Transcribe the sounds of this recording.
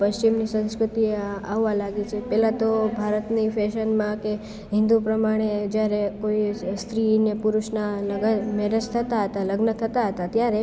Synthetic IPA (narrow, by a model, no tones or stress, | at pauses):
pəst͡ʃimnisə̃nskɾut̪ieaʋʋãlaɡet͡ʃʰepɛlãt̪obʱaɾət̪nifɛʃənmãke | ɦɪ̃nd̪upɾəmaɽ̃ed͡ʒjaɾekoist̪ʰɾinepuɾuʃnaləɡəmɛɾət͡ʃt̪ʰət̪aɦət̪aləɡnət̪ʰət̪aɦət̪at̪jaɾe